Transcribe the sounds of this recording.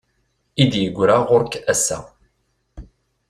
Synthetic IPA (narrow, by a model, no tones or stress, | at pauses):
id̪jəɡʷːɾaʁʊɾkæsːæ̰